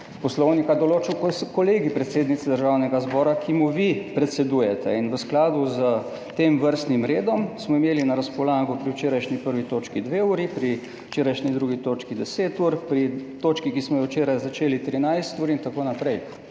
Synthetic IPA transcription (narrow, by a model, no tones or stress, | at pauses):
pɔslɔwnikad̪ɔloːt͡ʃikkoleːɡipɾɛt̪seːd̪nit̪sɛd̪əɾʒawnɛɡazbɔːɾakimuʋipɾɛt̪sɛd̪uːjɛt̪ɛ̰inʋəsklaːd̪uzə | t̪eːmʋəɾst̪nimɾeːd̪ɔmsmɔimeːlinaɾaspɔlaːɡɔpɾiwt͡ʃeːɾajʃnipəɾʋit̪oːt͡ʃkid̪ʋeuːɾipɾi | t͡ʃeːɾajʃnid̪ɾuːɡit̪oːt͡ʃkid̪ɛseːt̪uɾpɾit̪oːt͡ʃkikismɔjɔwt͡ʃeːɾajzat͡ʃeːlit̪ɾinajst̪uːɾint̪akoːnapɾɛj